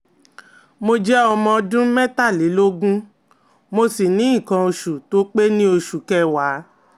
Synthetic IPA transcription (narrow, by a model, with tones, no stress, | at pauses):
mo˧d͡ʒɛ˦ɔ˧mɔ̃˧dũ˦mɛ˦ta˦˨le˨˦lo˦ɡũ˦ | mo˧si˨nĩ˨˦ĩ˦˨kã˧o˧ʃu˨to˨˦k͡pe˦nĩ˦o˧ʃu˨kɛ˦wa˨˦